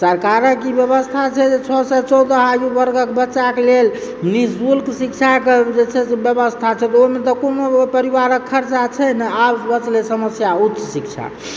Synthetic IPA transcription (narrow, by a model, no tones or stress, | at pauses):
səɾkaɾəkibjəβəst̪ʰat͡ʃʰɛd͡ʒet͡ʃʰɔsɛt͡ʃɔwd̪əɦajubəɾɡəkbətːʃakelelnisbulksikt͡ʃʰaked͡ʒet͡ʃʰɛsebjəbəst̪ʰat͡ʃʰɛt̪ɔoimet̪ɔkonopəɾiʋaɾəkʰːəɾt͡ʃat͡ʃʰɛnɛabbət͡ʃlesəməsjautːʃsik̚t͡ʃʰa̰